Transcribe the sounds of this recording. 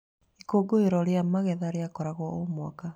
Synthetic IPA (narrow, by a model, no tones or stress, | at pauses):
ikoɡoeɾɔɾjamaɣɛðaɾeakɔɾaɣwɔomwaka